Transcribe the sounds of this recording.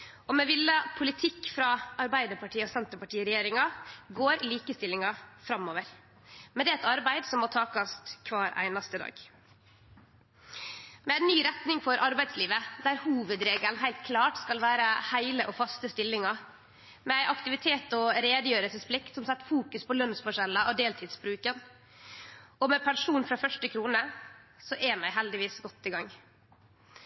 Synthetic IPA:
ɔmɛʋɪlːəpʰʊlɪt̪ʰɪkːfɾɑɑɾbæɪd̪əpʰɑʈʰiːəɔsɛnt̪ɾəpɑʈʰiːəɾɛjeːɾɪŋɑɡoːɾliːkəst̪ɪlːɪŋɑfɾɑmːoːʋəɾ | mɛnd̪ɛːɛt̪ɑɾbæɪd̪sɔmmɔt̪ʰɑːkɑst̪kʰʋɑːɾʔæ̰ɪnɑst̪əd̪ɑ̰ːɡ | mɛæɪnːyːɾɛt̪nɪŋfɔɾʔɑɾbæɪd̪sliːʋəd̪æːɾhuːʋəd̪ɾeːɡəlnɦæɪlt̪̚kʰlɑːʈskɑlʋæːɾəhæɪləʔɔfɑst̪əst̪ɪlːɪŋɑ | mɛæɪʔɑkt̪ɪʋɪt̪ʰeːt̪ɔɾeːd̪əjøːɾəsəsplɪkt̪sɔmsɛt̪ːfuːkʉspʰɔlœnsfɔʂɛlːəʔɔd̪eːlt̪ʰiːd̪sbɾʉːkən | ɔmɛpʰæɳʂuːnfɾɑːfœʂʈəkʰɾuːnəsɔʔɛːmæɪɦɛld̪ɪʋiːsɡɔt̪ːɪɡɑŋː

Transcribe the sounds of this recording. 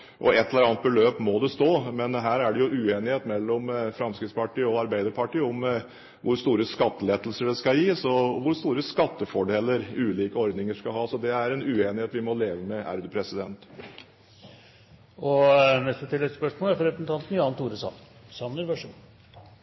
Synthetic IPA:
ʔɔ̰ɛt̪ʰːɛləɾɑːnət̪̚bɛløːpmɔd̪ɛst̪oːmɛnɦæːɾæɖɛjʊʔʉːeːnɪheːt̪mɛlːɔmfɾɑmskɾɪt̪spɑʈiːəɔɑɾbæɪd̪əɾpʰɑʈiːəʊm | ʋʊɾst̪uːɾəskɑt̪ːəleːd̪əlsəɖɛskɑjiːsɔʋʊɾst̪uːɾəskɑt̪ːəfɔɖeːlːəɾʉːliːkəɔɾd̪nɪŋəʂkɑɦɑːsɔd̪ɛæɾɛnʉːeːnɪheːt̪ʋɪmɔleːʋəmɛʔæ̰ɾd̪ʉpʰɾɛsɪd̪ɛnt̪ | ɔnɛst̪ət̪ʰɪlːɛspœʂmoːlæɾfɔɾɛpɾəsənt̪ɑnt̪n̩jʊɑnt̪ʰuːɾəsɑ̰n | sɑmnəɾʋœʂ

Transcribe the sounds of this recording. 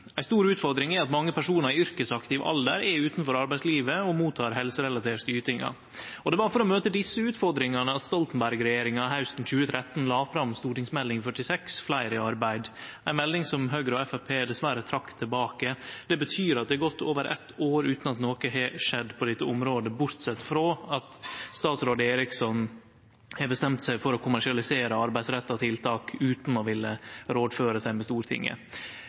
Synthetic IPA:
æɪst̪uːɾʉːt̪fɔɾd̪ɾɪŋɛɑt̪mɑŋːəpʰæʂuːnəɾɪʏɾkəsɑkt̪ɪʋʔɑ̰ld̪əɾɛʉːt̪n̩fɔɾɑɾbæɪsliːʋəɔmuːt̪ʰɑːɾɦɛlsəɾɛlɑt̪ʰeːʈst̪yːɾət̪ɪŋːɑ̰ | ɔd̪ɛʋɑɾfɔɾɔmøːt̪əd̪ɪsːəʉːt̪fɔɾd̪ɾɪŋɑnəɑt̪st̪ɔlt̪n̩bæɾɡɾɛjeːɾɪŋɑɦaʉst̪n̩c͡çʉːət̪ʰɾɛt̪ːn̩lɑːfɾɑmst̪uːʈɪŋsmɛlːɪŋfœʈɪsɛksflæɪɾɪɑɾbæɪd̪æɪnmɛld̪ɪŋsɔmɦøːɡɾəɔɛfæpʰeːd̪ɛsʋæɾət̪ʰɾɑkːt̪ʰːɪlbɑːkəd̪̥ɛbət̪ʰyːɾɑt̪̚d̪ɛɛɡɔt̪ːoːʋəɾʔɛ̰t̪ːoːɾʉːt̪nɑt̪noːkəɦɛʂɛd̪ːpʰɔd̪ɛt̪ːəʊmɾoːd̪əbʊɾt̪sɛt̪ːfɾoːɑt̪st̪ɑːt̪sɾoːd̪əeːɾɪksɔn | hɛbəst̪ɛmt̪sæɪfɔɾɔkʰʊmæʂɪɑlɪseːɾəɑɾbæɪd̪sɾɛt̪ːɑt̪ʰɪlt̪ʰɑːkʉːt̪nɔʋɪlːəɾoːd̪føːɾəsæɪmɛst̪uːɾt̪ʰɪ̰ŋːə̰

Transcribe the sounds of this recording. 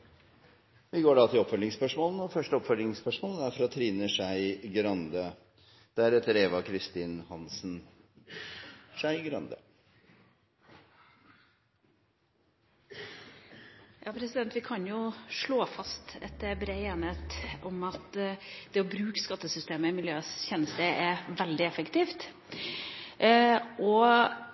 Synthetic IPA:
ʋɪɡoːɖɑt̪ʰɪlɔpfœlɪŋspœʂmoːln̩ɔfœʂʈəɔpfœlɪŋspœʂmoːlæɾfɾɑt̪ʰɾiːnəʂæɪɡɾɑnd̪ə | d̪̥æɾɛt̪əɾeːʋɑkʰɾɪst̪iːnhɑnsn | ʂæɪɡɾɑ̰nd̪ə̰ | jʔɑːpʰɾɛsɪd̪ɛnt̪ʋɪkʰɑnjʊʂɭoːfɑst̪ɛ̰t̪ːəbɾeːeːnet̪ɔmɑt̪d̪̥ɛɔbɾʉːkskɑt̪ːəsʏst̪eːməɪmɪljøːsçɛnːəst̪əɛʋɛld̪ɪɛfəkt̪iːft̪ | ʔɔ

